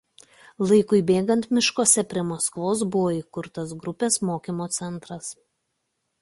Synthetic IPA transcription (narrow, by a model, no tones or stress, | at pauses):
lˠɐɪkʊɪbʲeːɡɐnt̪mʲɪʃkoːsʲɛpʲɾʲiɛmoskʋoːs̬bʊʋoːiːkʊɾt̪ɐsɡɾʊpʲeːsmoːkʲimoːt̪sʲɛnt̪ɾɐs